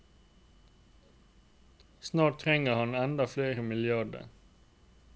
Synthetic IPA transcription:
snɑːʈ̚t̪ʰʁɛŋəhɑnɛnd̪ɑfleːɾəmɪlɪɑɖə̰

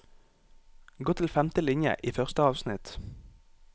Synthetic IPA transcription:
ɡoːt̪ʰɪlfɛmt̪əlɪɲjə̰ʔiːfœʁst̪əɑːʋsnɪt̪

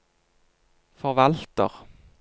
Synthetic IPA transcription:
fɔʁʋɑlt̪ə̰ʁ

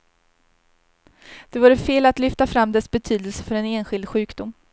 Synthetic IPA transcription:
d̪̥ɛvuːɾəfeːlat̪lʏft̪afɾamːd̪ɛsbɛt̪ʰyːd̪əlsə̥fœɾɛneːnɧɪld̪ɧʉ̟ːkd̪ʊmː

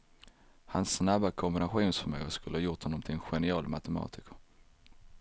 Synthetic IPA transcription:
hansːnabːakʰɔmbɪnaɧuːnsfœmø̰ːɡəskɵləhɑːjʊʈhɔnɔmt̪ʰɪlɛnɧɛnɪɑːlmat̪ɛmɑ̰ːt̪ɪkə

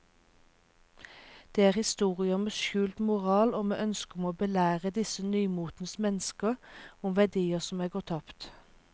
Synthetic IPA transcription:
d̪̥eːæːʁhɪst̪uːʁɪəmeʃʉːlt̪mʊʁɑːloːmḛːʔœnskʊmoːbəlæːʁəd̪ɪsənyːmuːt̪n̩əsmɛnəskəʁʊmʋæd̪iːəsɔmæːɡoːt̪ʰɑpt̪

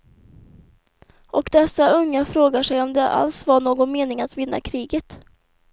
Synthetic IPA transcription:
ʔɔkd̪ɛsːaɵŋːafɾoːɡaʂɛjɔmd̪ɛʔa̰lsvaɳoːɡɔnmeːnɪŋat̪vɪn̪ːa̰kʰɾiːɡət̪

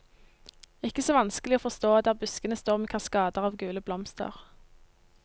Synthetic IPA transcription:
ɪkːəsoːʋɑnskəlɪoːfɔʁst̪oːd̪æːʁbʉskənəst̪oːʁmeːkʰɑskɑːd̪əʁɑːʋɡʉːləblɔmst̪ə̰ʁ

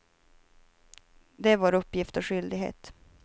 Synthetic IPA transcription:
d̪ɛvaɾɵpːjɪft̪ɔɧʏld̪ɪɡɦḛːt̪

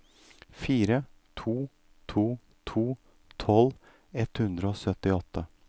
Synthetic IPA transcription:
fiːɾət̪ʰuː | t̪ʰuː | t̪ʰuː | t̪ʰɔl | ɛt̪hʉnd̪ɾəoːsœt̪ɪɔt̪ʰːə

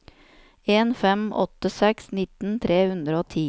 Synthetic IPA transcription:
eːnfɛmʔɔ̰t̪əsɛksnɪt̪n̩t̪ʰɾeːhʉnd̪ɾəoːt̪ʰiː

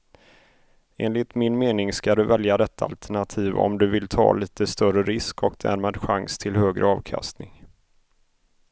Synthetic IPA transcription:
eːnlɪt̪mɪnmeːnɪŋskad̪ɵvɛljad̪ɛt̪ʰːaa̰lt̪ʰæɳat̪ʰiːvɔ̰md̪ɵvɪlt̪ʰɑ̰ːliːt̪əst̪œrəɾɪskʰɔkd̪̥æ̰ːɾmad̪ɧaŋst̪ʰɪlhøːɡɾʔə̰ɑːvkʰa̰st̪nɪŋ

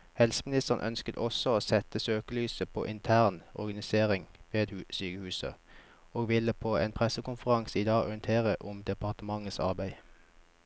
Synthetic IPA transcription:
hɛlsəmɪnɪst̪əʁnʔœ̰nskət̪ɔsɔoːsɛt̪əsøːkəlyːsəpʰo̰ːʔɪnt̪ʰæʁnɔ̰ʁɡɑnɪseːʁɪŋʋeːd̪hʉsyːkəhʉːsə̰ | oːɡʋɪləpʰoːḛːnpʰʁɛsəkʊnfəʁɑŋsiːd̪ɑːɡɔʁɪənt̪ʰeːʁəʔʊmd̪ɛpɑʁt̪əmɑŋəsɑ̰ʁbæɪ

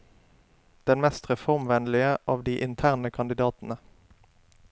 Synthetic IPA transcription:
d̪̥ɛnmɛst̪ʁɛfɔʁmʋɛnlɪəʔɑːʋd̪iːʔɪnt̪ʰæːʁnəkʰɑnd̪ɪd̪ɑːt̪n̩ə

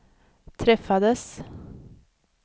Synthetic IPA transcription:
t̪ʰɾɛfːad̪əs

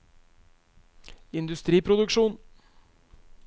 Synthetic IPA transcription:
ɪnd̪ʉst̪ɾiːpʰɾʊd̪ʉkʃuːn

